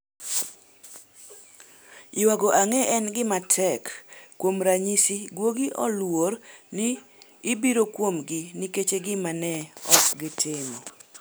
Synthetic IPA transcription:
ɪwaɡoʔaŋɛʔɛnɡɪmatʰɛkːwomɾaɲisiɡwoɡiʔɔlwoɾnɪːbiɾokwomɡɪniket͡ʃeɡɪmanɛɔ̰kɡɪtʰɪmo

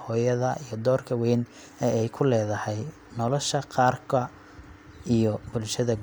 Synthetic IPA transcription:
hɔːjɐðɐʔijɞd̪ɔːrkʰɐwɛjn | ɛɛjkʰʊlɛːðɐhɛj | nɔlɔʃɐqɑːrkʰɐ | ijɔbʊlʃɐðɐɡ

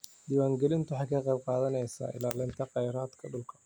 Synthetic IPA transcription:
d̪iːwaːŋɡɛlɪnt̪ʊwħɑjkʰɐqɑjb̚qɑːðɐnɛjsa̰ːʔɪ̰laːlɪnt̪ʰɐqɑjɾaːd̪kʰɐɖʊlkʰɐ̥

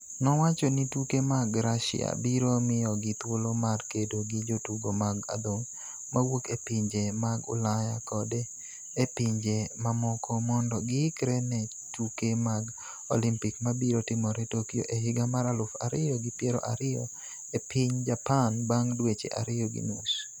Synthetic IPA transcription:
nɔwat͡ʃɔnitukemaɡɾaʃɪ̰a̰biɾomɪjɔɡɪt̪wolomarkedoɡid͡ʒotuɡomaɡa̰d̪oŋ | mawokepiɲd͡ʒemaɡʊ̰lajakɔde | epiɲd͡ʒemamɔkʰɔmɔndɔɡɪkɾɛnɛ | tukemaɡ | o̰limpikmabiɾotɪmɔɾetokijo̰ʔeɦɪɡamaɾalʊfa̰ɾɪjɔɡɪpjeɾɔ̰ʔa̰ɾɪjɔ̰ | epiɲd͡ʒapanbaŋdwet͡ʃḛʔa̰ɾɪjɔɡḭnus

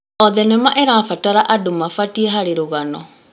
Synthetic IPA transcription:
ɔðɛnɛmaʔɛɾaːfataɾaʔadomafatiɛɦaɾeɾoɣanɔ̰

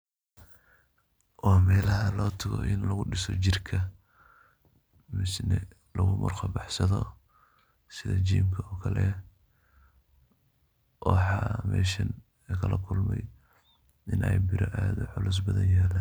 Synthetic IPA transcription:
wɑːmɛːlɐɦɐlɔːt̪ʰɐɣɔ̰ʔɪnlɐɣʊɖɪsɔt͡ʃɪrkʰɐ | mɪsnɛ | lɐɣʊmʊrxɐbɑħsɐðɔ | sɪðɐt͡ʃiːmkʰɐɔːkʰɐlɛ | wɑħɑmɛ̰ːʃɐn | kʰɐlɐkʰʊlmɛj | ʔɪnʔɛjbɪɾɔʔaːðʊħʊlʊs̬bɐðɐnjaːlaː

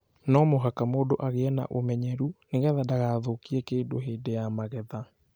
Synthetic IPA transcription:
nɔmoɦakamoːdoʔaɣeɛna̰ʔomɛɲɛɾuneɣɛðadaɣaðokiɛkeːndoɦeːdejamaɣɛða

